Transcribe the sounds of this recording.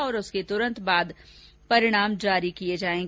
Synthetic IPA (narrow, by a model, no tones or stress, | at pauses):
ɔːɾʊsket̪ʊɾə̃nt̪baːd̪ | pɐɾɪɽ̃aːmd͡ʒaːɾikijed͡ʒaːẽːŋɡ